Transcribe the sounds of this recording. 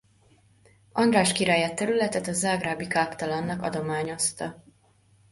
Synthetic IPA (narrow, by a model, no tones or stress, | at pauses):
ʔɒnd̪ɾaːʃkiɾaːjaːt̪ːɛɾylɛt̪ɛt̪ɒzaːɡraːbikaːkt̪ɒlɒnːɒkɒ̰d̪o̞maːɲo̞st̪ɒ